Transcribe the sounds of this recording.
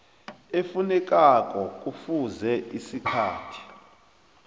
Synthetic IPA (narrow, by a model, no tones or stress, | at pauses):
efunɛk̬ʼak̬ʼɔk̬ʼufuzɛʔisikʰaːtʰi̥